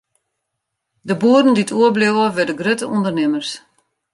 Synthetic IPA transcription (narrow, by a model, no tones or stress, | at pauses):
dəbuədən̩ditʰuəblewəʋɛdəɡrøtəʔundərnɪmərs